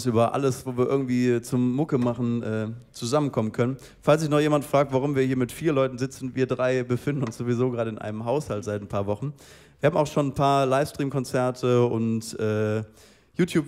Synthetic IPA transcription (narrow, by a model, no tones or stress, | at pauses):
sʔyːbɐʔa̰ləsv̥oːviːɐɪɐɡŋ̩tv̥iːt͡sʊmːʊkəmaχn̩ʔɛːt͡suzamənkʰɔmənkʰœnən | falsz̥ɪçnɔχjeːmantfʁ̥aːk̚tv̥aʁʊmviːɐhiːɐmɪtfiːɐlɔʏtn̩zɪt͡sn̩viːɐdʁaɪbəfɪndn̩ʊnsz̥oːvizoːɡʁaːɾəɪnʔa̰ɪnəmɦaʊshaltz̥aɪtnpʰaːɐvɔχn̩ | viːɐhaːm̩aʊxʃoːnnpʰaːɐlaɪfstʁ̥iːmkʰɔnt͡sɛɐtʰəʊntʔɛː | juːtʰjuːp